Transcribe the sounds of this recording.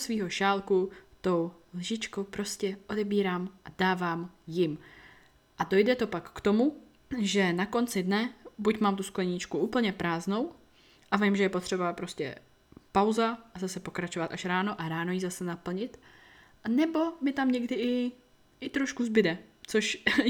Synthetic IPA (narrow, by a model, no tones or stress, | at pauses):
sviːɦo̞ʃaːlkut̪o̞w | lʒɪt͡ʃko̞wpɾo̞scɛʔo̞dɛbiːɾaːmʔad̥aːvaːmjɪm | ʔado̞jdɛt̪o̞pakːt̪o̞mu | ʒɛnako̞nt͡sɪdnɛbucmaːmt̪usklɛɲɪt͡ʃkuʔuːpl̩ɲɛpɾʔaːzno̞w | ʔavɪmʒɛjɛpo̞t̪r̝̥ɛbapɾo̞scɛ̰ | pawzaʔazasɛpo̞kɾat͡ʃovat̪aʃɾaːno̞ʔaɾaːnojizasɛnapl̩ɲɪt̪ | ʔanɛbo̞mɪt̪amɲɛɡdɪʔɪ | ɪt̪ɾoʃkuzbɪdɛt͡soʃ